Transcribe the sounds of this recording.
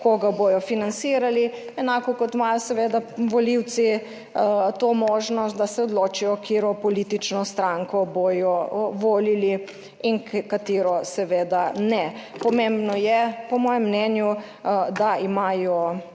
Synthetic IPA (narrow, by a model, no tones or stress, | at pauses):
koɡabojɔfinansiːɾali | ɛnaːkɔkɔt̪maːjɔsɛʋeːd̪aʋɔliw̪si | t̪oːmoːʒnɔst̪̚d̪asɛɔd̪loːt͡ʃijɔkʰeːɾɔpɔliːt̪it͡ʃnɔst̪ɾaŋkɔbojɔʋoːlili | iŋkkat̪eːɾɔsɛʋeːd̪anɛ | pɔmembnɔjɛpɔmɔːjɛmːnɛnju | d̪aimaːjɔ